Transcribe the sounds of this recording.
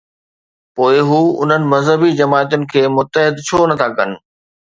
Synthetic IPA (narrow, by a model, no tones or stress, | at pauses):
poːɪɦuːʊ̰n̤ənɪ̆mɐzɦəbid͡ʑɐmaːt̪ʊnɪ̆kʰeːmʊt̪ːəɦɪd̪t͡ɕʰoːnɐt̪ʰakɐnɪ̆